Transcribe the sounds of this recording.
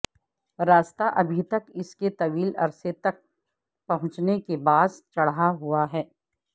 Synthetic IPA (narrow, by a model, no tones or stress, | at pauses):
ɾaːst̪aʔɐbʱit̪ɐkɪsket̪ɐʋiːlɐ̰ɾset̪ɐk̚ | pɐɦʊ̃t͡ʃnekebaːd̪t͡ʃɐɽɦaɦuaɦɛː